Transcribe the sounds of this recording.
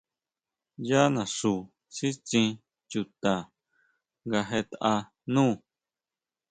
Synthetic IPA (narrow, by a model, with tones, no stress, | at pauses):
ja˦nã˨ʂuː˨ | ʂi˦t͡ʃĩ˧ | t͡ʃu˧t̪a˨ | ŋɡa˧ɦe˧t̪a˧ʔa˧ | nũː˦˨